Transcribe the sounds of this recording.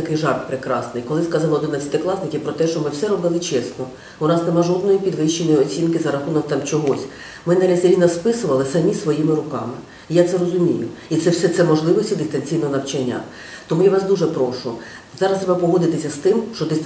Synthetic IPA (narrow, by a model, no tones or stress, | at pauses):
t̪ɐkɪjʒɑrppɾɪkɾɑsnɪjkɔlˠɪskɑzɑmɔd̪ɪnɐi̥t̪ɛklˠɑsnɪkʲipɾɔt̪ɛʃt͡ʃɔmɪwsɛɾɔbɪlˠɪt͡ʃɛsnɔ | ʊnɑsnemɑʒɔd̪̚nɔjipʲid̪ʋɪʃːenɔjiɔt͡sʲinkɪzɐɾɐxunɐwt̪ɑmt͡ʃɔɦɔsʲ | mɪnaɾʲɐsʲɾʲijnɐspɪsʊʋɐlˠɪsɐmʲisʋɔjimɪɾʊkɑmɪ | ijat̪sɛrɔzʊmʲijʊit̪sɛwsɛt̪sɛmɔʒlˠɪʋɔsʲid̪ɪst̪ɐnʲt͡sʲijnɔɦɔnɐwt͡ʃɐnʲːa̰ | t̪ɔmujaʋɑsd̪uʒɛpɾɔʃʊ | zɑɾɐst̪ɾɛbɐpɔɦɔd̪ɪt̪ɪsʲːɐst̪ɪmʃt͡ʃɔd̪ɪs